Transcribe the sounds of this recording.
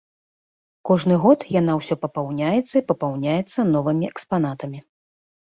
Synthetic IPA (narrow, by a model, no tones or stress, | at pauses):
kɔʐnɨɣɔt̪jan̪awsʲɔpɐpawnʲajɛt̪sːɐipɐpawnʲajɛt̪sːɐnɔvɨmʲiɛkspanat̪ɐmʲi